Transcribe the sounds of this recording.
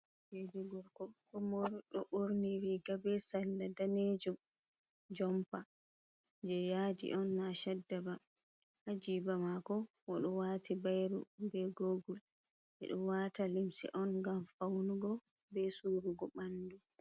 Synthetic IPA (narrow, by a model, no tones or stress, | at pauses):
d͡ʒedɛɡɔɾkɔɗɔmɔɾɗɔɓoɾniɾiɡabɛsalːadaned͡ʒum | d͡ʒɔmpa | d͡ʒɛjadḭʔɔnːaʃɛdːaba | had͡ʒibamakɔwɔɗɔwatibajɾṵbɛɡoɡul | ʔɛ̰ɗɔwatalimsḭʔɔnɡamfawnuɡɔ | bɛsuɾuɡɔɓandu